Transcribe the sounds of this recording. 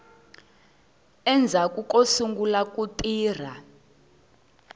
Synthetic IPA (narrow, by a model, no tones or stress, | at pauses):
ɛnd͡zʱakʼukʼosuŋɡulak̬ʼutʼiːr̤a